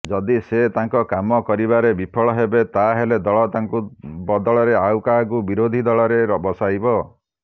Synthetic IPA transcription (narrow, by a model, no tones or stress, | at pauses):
d͡ʒɔd̪iset̪aŋkɔkamɔkɔɾiβaɾebipʰɔɭɔɦebet̪aɦeled̪ɔɭɔt̪aŋkubɔd̪ɔɭɔɾeawkakubiɾod̪ʱid̪ɔɭɔɾebɔsajbɔ